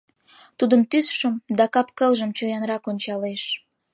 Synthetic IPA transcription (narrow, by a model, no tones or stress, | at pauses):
t̪ud̪əmt̪ysʃəmd̪ɑkɑpkəlʒəmt͡ɕojɑnrɑkonʲt͡ɕɑleʃ